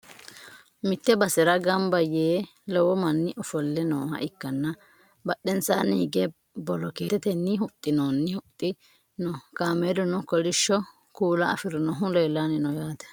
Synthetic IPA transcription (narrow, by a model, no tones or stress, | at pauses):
mɪt̪ːɛbɐsɪɾɐɡɐmbɐjeː | lɔwɔmɐnːɪʔɔfɔlːɛno̰ːhɐ̰ʔɪkːɐnːɐ | bɐɗɛnsaːnɪɡɛ | bɔlɔkeːɛt̪ɛnːɪɦʊt̪ʼːɪnoːnːɪhʊt̪ʼːɪ | nɔkaːmed̪ɔnɔkɔlɪʃːɔ | kuːlɐɐ̰fɪɾɔnɔɦʊlɛːlanɪnɔjaːt̪ɛ̥